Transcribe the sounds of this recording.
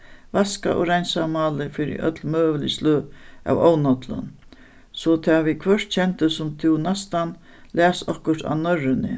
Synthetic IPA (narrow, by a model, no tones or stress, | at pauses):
vaska̰ʔɔɾajnsamɑːlɪfɪɾɪ̰ʔœ̰t̪lmøːʋəlist̪løːa̰wɔːwnɔt̪lə̰n | sɔt̪ʰaːʋikʰʋœʂt̪t͡ɕʰɛnt̪əsʊmt̪ʰɪwnast̪an | læːsɔhkʊɾ̥t̪a̰nœɾɪnɪ̰